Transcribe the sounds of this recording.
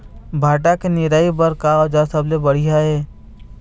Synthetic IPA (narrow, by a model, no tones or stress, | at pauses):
bʱaːʈakenɪɾaːibəɾkaod͡ʒasəblebɐɽ̤iɦaɦɛː